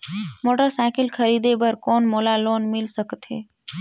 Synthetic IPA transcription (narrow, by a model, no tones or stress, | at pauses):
moːʈəɾsaɪkɪlkʰəɾiːd̪ebəɾkoːnmoːlaloːnmɪlsəkt̪ɦḛː